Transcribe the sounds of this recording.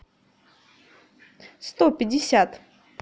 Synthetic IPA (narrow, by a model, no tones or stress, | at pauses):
st̪opʲɪdʲɪsʲat̪